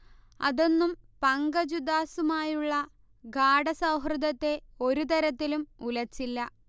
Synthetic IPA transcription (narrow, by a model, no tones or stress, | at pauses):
ɐ̰ðo̞nːumpɐŋɡɐd͡ʑud̪aːsumaːjuɭːɐ | ɡaːɽɐsɐwɦrɨd̪ɐt̪ːe̞o̞ɾut̪ɐɾɐt̪ːilumulɐt͡ɕːilːɐ